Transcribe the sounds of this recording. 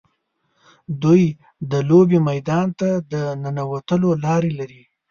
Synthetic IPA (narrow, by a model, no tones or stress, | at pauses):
d̪uj | d̪əlobemajd̪ɑnt̪ad̪ənənawat̪əlolɑɾelaɾi